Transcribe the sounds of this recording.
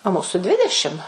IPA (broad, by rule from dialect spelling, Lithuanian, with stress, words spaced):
oː ˈmuːsʊ ˈdʲʋʲɪdʲɛʃʲɪm